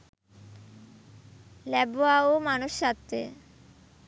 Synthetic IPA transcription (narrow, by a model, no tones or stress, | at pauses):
lɛboaomanuʃːat̪ːḛ